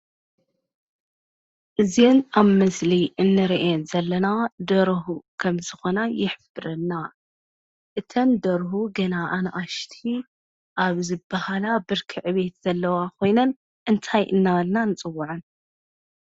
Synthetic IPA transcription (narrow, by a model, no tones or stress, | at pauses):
ʔɨzjenaβmɐsliʔɨnːɨɾiʔzɐlːɐnad̪ɐɾɦukʰɐmzɨxo̞najɪħɨfbɨɾɐlːa | ʔɨt̪ʰɐnd̪ɐɾɦuɡɐnaʔanʔaʃt̪ʰi | ʔaβzɨbːɐhalabɨɾkʰɨʕɨβe̞t̪z̥ɐlːɐwakʰo̞jnɐn | ʔɨnt̪ʰajʔɨ̰nːaβɐlnanɨt͡sʼɨwːʊʕɨn